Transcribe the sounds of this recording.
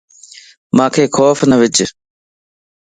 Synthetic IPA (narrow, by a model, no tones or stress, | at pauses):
mãːkʰeːxɔːfnəʋɪt͡ʃ